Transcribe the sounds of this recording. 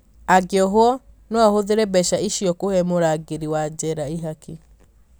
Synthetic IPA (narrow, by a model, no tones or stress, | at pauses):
aɡeɔɦoɔnwahoðeɾɛbɛʃaiʃiɔkohɛmoɾaːɡeɾiwad͡ʑɛɾaiɦaki